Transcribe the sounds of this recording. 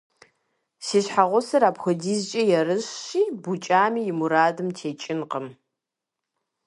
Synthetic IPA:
siːɕħaʁʷʊsɐɾaːbxʷɐdiːzt͡ʃʼɐjɛɾɨɕɕiːbut͡ʃʼaːmiːjɪmuɾaːdɨmtʰeːt͡ʃʼɪnqəm

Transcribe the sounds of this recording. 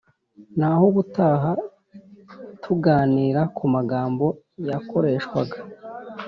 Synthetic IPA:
nahoɡutaːɦa | tʰuɡaːniːɾakʰumaɡaːmbo̞ | jako̞ɾe̞ːʃkwa̰ɡa

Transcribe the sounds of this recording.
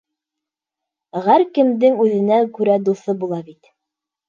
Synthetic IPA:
ʁæɾkɘ̆md̪ɘŋʉðɘ̆næŋkʉɾæd̪uθɤbulˠɑbit̪

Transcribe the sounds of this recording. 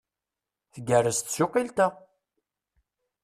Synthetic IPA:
θəɡərːəst̪sʊqːilt̪ə

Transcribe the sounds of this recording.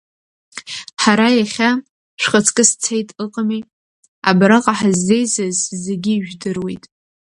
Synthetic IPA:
ħaɾajaχʲa | ʃʷχət͡sʰkʼɨst͡sʰejtʼɨqʼamij | abɾaqʼaħazːe̞jzɨzzeɡʲiːʒᶣdɨrwejtʼ

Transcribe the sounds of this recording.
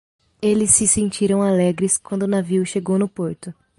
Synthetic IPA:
elɪsːɪsẽnt͡ʃiɾɐ̃w̃alɛɡɾɪskwɐ̃nd̪ʊnaviwʃeɡownʊpoɾt̪ʊ

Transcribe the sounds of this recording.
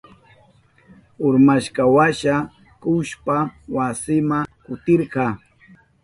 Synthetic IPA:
ʊɾmaʃkɑwaʃa | kʊʃpawasɪmakʊt̪ɪɾɢɑ

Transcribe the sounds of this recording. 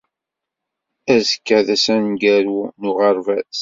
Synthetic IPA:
æzəkːæðæsænɡæɾunʊʁəɾˤvæs

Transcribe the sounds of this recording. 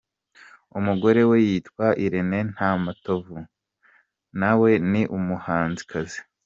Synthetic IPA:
umuɡo̞ɾe̞we̞jiːtkwaʔiɾene̞n̥hamatovu | nawe̞niʔumuhaːnzikʰazi̥

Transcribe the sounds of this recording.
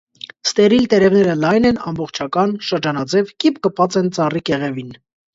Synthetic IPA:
st̪ɛɾilt̪ɛɾɛvnɛɾəlɑjnɛnɑ̰mbɔχt͡ʃʰɑkɑnʃəɾd͡ʒɑnɑd͡zɛvkipkəpɑt͡sɛnt͡sɑrikɛʁɛvin

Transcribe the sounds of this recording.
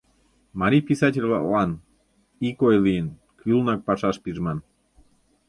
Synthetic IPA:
mɑɾʲipisɑt̬ʲelʲβɑ̰lɑn | ikojlijən | kylnɑk̚pɑʃɑʃpiʒmɑn

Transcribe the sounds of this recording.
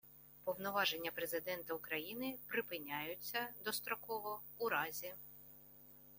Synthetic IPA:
pɔwnɔʋɑʒenʲːɐpɾezɪd̪ɛnt̪ɐʊkɾɐjinɪpɾɪpɪnʲajʊt͡sʲːɐd̪ɔst̪ɾɔkɔʋɔuɾɑzʲi

